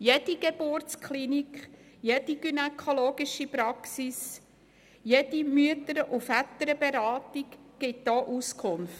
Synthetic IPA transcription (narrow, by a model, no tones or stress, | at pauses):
jed̥iɡ̥ebortt͡skχlinikχ | jed̥iɡ̥ynɛkʰoloːɡiʃipɾɑksis | jɛd̥imyətəɾʔufætəɾəbeɾɑːtikɡ̥ɪt̚d̥ɔːʔuskʰʊnf